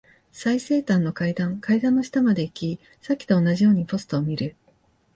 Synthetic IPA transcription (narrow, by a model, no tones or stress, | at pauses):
saise̞ːt̪ãnːo̞kaid̪ãŋkaid̪ãnːo̞ɕi̥t̪amad̪e̞ikʲi | sakʲi̥t̪o̞ːnaʑijo̞ːɲ̟ipo̞sɨ̥t̪o̞ːmʲiɾɯ̟